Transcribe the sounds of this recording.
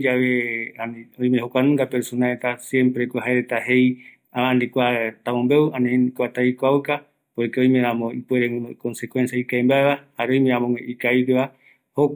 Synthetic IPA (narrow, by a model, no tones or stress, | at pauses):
d͡ʒaβeanõj̃mẽhokʷanũŋɡapeɾsonaet̪asjẽ̞mpɾekʷoɦaeɾet̪ahe̞j | aaãnd̪ikʷat̪amõmbewanĩnd̪ikʷat̪aikʷauka | pojkeõj̃meɾamõipueɾewũnuʔko̞nsekwensjaikaembaeβahaɾeõj̃mẽãmõŋeʔikaipeβa | ho